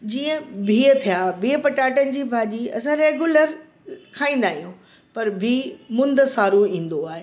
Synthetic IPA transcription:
d͡ʑiːə̃bʱiːt̪ʰijabʱiːəpɐʈaːʈənɪ̆d͡ʑiːbʱaːʄiɐsãɾeːɡjuləɾ | kʰaːĩːnd̪aːɦijũ | pɐɾbʱiːmʊ̃nd̪saːɾoĩːnd̪oaːɦe

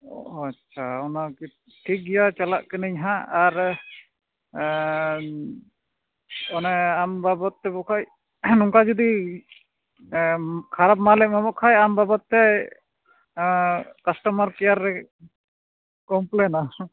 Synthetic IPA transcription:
ɔatːt͡ʃʰaɔnaki | ʈʰik̚ɡɛjat͡ʃalaʔkɯniɲɦãaɾ | ɔnaambabɔt̪ːɛbɔkʰaj | nɔŋkad͡ʒɔd̪i | kʰaɾap̚malɛʔmamɔʔkʰajambabɔt̪ːɛ | kasʈɔmaɾkɛjaɾɛ | kɔmplɛna

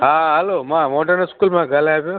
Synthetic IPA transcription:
aːɦɐloːmaːmoːʈɐnɐskuːlmãːɡɐleaːbo

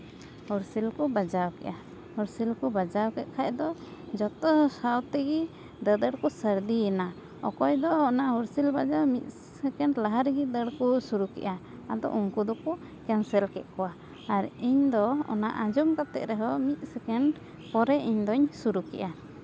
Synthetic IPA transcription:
hɔɾsilkubad͡ʒawkɛ̰ʔa | hɔɾsilkubad͡ʒawkɛt̪̚kʰac̚d̪ɔd͡ʒɔt̪ɔsawt̪ɛɡi | d̪əd̪əɽkusəɾd̪iɛna | ɔ̰kɔjd̪ɔːnahɔɾsilbad͡ʒawmit̪̚ˀ | ɛkɛɳɖlaɦaɾɡid̪əɽkusuɾukɛ̰ʔa | ad̪ɔ̰ʔuŋkud̪ɔku | kansɛlkɛt̪̚ˀkɔwaː | ɾiɲd̪ɔɔ̰na̰ʔad͡ʒumkat̪ɛ̰ʔɾɛɦɔmit̪̚sɛkɛɳ | pɔɾɛʔiɲd̪ɔɲsuɾukɛ̰ʔa

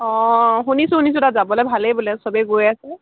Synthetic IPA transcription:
ɔ̃ɦunisʊhunis̬ʊtazabɔlɛjbʱalejbulɛsɔbeɡojasɛ

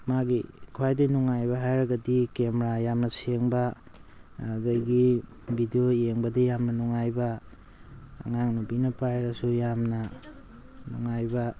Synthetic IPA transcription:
maɡḭkʰuwajdinuŋajbɐɦajɾɐɡɐdikemɾajamnɐseŋbaː | dajɡi | bidioeŋbɐdijamnɐnuŋajbɐː | ŋaŋnubinɐpajɾɐsujamnɐ | nuŋajbɐ

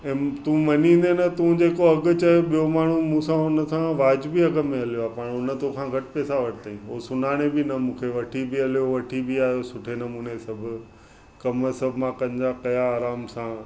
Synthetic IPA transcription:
ɛ̃ːt̪ũmɐɲĩːnd̪enɐt̪ũd͡ʑeːkoɐɡʊ̆t͡ɕɐoɓijomaːɳ̤umũːsãʊnə̆sãʋaːd͡ʑbʱiɐɡəmẽɐlijoaːpaːɽ̃ʊnə̆t̪okʰãɡʱɐʈɪpeːsaʋɐʈʰɪt̪aːĩɦoːsʊn̤aːɽ̃ebɪnɐmũːkʰeʋɐʈʰibɪɐlijoʋɐʈʰibɪaːɦjosʊʈʰenɐmũːnesɐbʱʊ̆ | kɐmsɐbʱmãkɐ̃ɲd͡ʑakɐjaːɾaːmsã

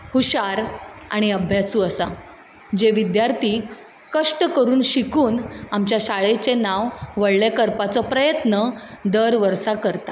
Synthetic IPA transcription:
huɕaɾa̰ɽ̃iəbʱjasuːəsa̰ | d͡ʑeʋid̪jaɾt̪ʰiː | kəʂʈəkəɾuːnɕikuːnamt͡ɕjaɕaɭet͡senaʋʋəɽlekəɾpat͡sɔpɾəjət̪nəd̪əɾʋəɾsakəɾt̪a

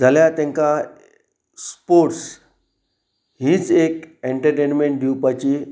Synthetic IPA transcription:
d͡zʱaljat̪ẽŋka | spoɾʈs | ɦiːt͡sekeɳʈəɾʈenmẽɳʈɖjupat͡ɕi

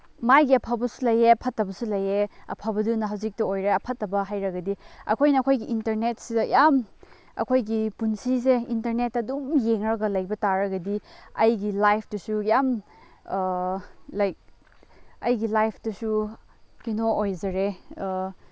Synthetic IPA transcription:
majɡiɐpʰabɐsu̥lɐjeɐpʰɐtːɐbɐsulɐjeɐ̰pʰabɐdunɐɦawzik̚tɐojɾeɐpʰɐtːɐbɐɦajɾɐɡɐdiɐ̰kʰojnɐkʰojɡiʔintɐɾnetsidɐjam | ɐ̰kʰojɡipunsiseintɐɾnetɐdumjeŋɾɐɡɐlɐjbɐtaɾɐɡɐdiɐjɡilajpʰdusujam | lɐjk̚ | ɐjɡilajpʰdusu | kinoojzɐɾe

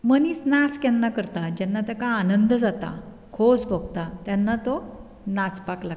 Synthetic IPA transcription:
məniːsnat͡skɛnːakəɾt̪ad͡ʑɛnːat̪əkaːnənd̪əd͡zat̪a̰ | kʰod͡zbʱoɡ̚t̪at̪janːat̪o | nat͡spakla

